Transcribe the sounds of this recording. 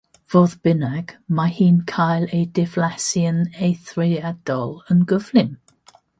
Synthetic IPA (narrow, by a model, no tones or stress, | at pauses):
v̥ɔðb̥ɪnaɡ̥maɪhiːnkʰaɪleːdɪvlasiəneɪθɹiːad̥ɔlənɡəv̥lɪm